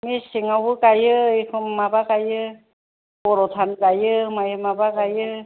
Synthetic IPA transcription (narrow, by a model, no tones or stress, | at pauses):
misiŋawɯkajɯikʰɯmːabakajɯ | bɔɾɔt̪ʰankajɯmajɯmabakajɯ